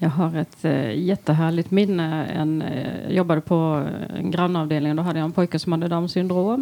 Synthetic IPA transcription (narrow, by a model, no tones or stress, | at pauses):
jɑɡɦaɾɛt̪jɛt̪ːəɦæːɭɪt̪mɪnːəɛ̰njɑ̰jɔbːad̪əpʰɔɛ̰nɡɾɑnːɑːvd̪eːlɪŋd̪ɔːɦad̪ːəjaɛnpʰɔjkəsɔmhad̪ːəd̪ɑmsʏnd̪ɾoːm